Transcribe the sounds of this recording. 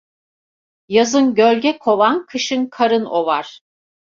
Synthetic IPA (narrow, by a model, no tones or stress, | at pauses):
jazɯnɟølʲɟɛkʰo̞vankʰɯʃɯnkʰaɾɯno̞vaɾ̥